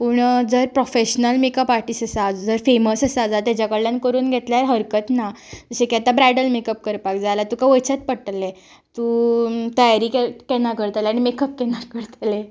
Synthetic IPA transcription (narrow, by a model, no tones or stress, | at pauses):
puːɳd͡zəɾpɾofeɕnəlmekəpaɾʈiːsəsad͡zd͡zəɾfeməsəsəad͡zat̪jat͡ɕakəɽljankəɾuːnɡʱet̪ljaɾɦəɾkət̪nad͡zəɕekɛt̪abɾajɖəlmekəp̚kəɾpakd͡zalat̪ukaʋəjt͡ɕat̪̚pəɽʈle | t̪ut̪əjaɾiːkekɛnakəɾt̪aleaɽ̃imekəp̚kɛnakəɾt̪ale